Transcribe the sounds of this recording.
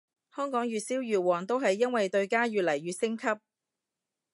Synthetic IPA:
hœː˥ŋkɔː˨˥ŋjyː˨t̚siː˥wjyː˨˩wɔː˨˩ŋt̪o˥wɦɐ˨jːɐ˥nwɐ˨jt̪ɵ˧ɥkaː˥jyː˨t̚lɐ˨˩jɥyː˨˧sɪ˥ŋkʰɐ˥p̚

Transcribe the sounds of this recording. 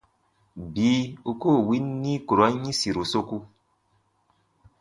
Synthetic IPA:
biː˨˦u˧koː˦˨wi˦nːĩ˦ku˨ɾɔ˦ɲĩ˦si˨ɾo˨so˧ku˧

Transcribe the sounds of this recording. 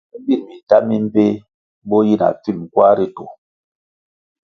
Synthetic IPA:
bi˦˨mi˨ta˦mi˦m˦pe˦ | bo˦ji˦˨na̰˨fi˦˨m˨kwa˦ɾi˦to˨

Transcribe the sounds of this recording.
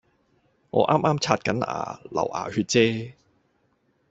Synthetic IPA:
ŋɔː˨˧ʔaː˥mʔaː˥mt͡sʰaː˧t̚kɐ˨˥nʔa̰ː˨˩lɐ̰˨˩wʔa̰ː˨˩hyː˧t̚t͡sɛː˥

